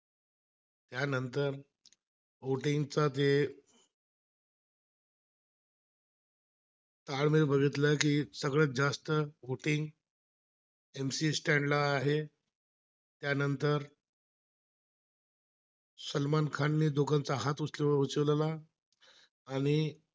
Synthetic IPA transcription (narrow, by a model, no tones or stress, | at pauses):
t̪janənt̪əɾ | ʋoʈiŋɡt͡sat̪e | t̪aɭmiɾbʱəɡʱit̪ləkiːsəɡɭəd͡zast̪əʋoʈiŋɡ | emsiːsʈɛɳɖlaːɦe | t̪janənt̪əɾ | səlmankʰaɳːiːd̪oɡant͡saɦat̪usleut͡ɕəʋlla | ɽ̃i